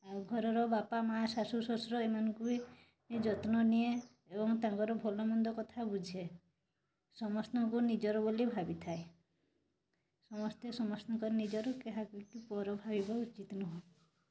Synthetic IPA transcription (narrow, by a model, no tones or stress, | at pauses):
aɡʱɔɾɔɾɔbapamasasusɔsɾɔemanɔŋkui | med͡ʒɔt̪nɔnieː | bɔŋt̪aŋkɔɾɔbʱɔlɔmɔnd̪ɔkɔt̪ʰabud͡ʒʱe | sɔmɔsnɔŋkunid͡ʒɔɾɔbolibʱabit̪ʰae | sɔmɔst̪esɔmɔsnɔŋkɔɾnid͡ʒɔɾɔkeɦakikupɔɾɔbʱabibɔut͡ʃit̪nɔɦɔ̃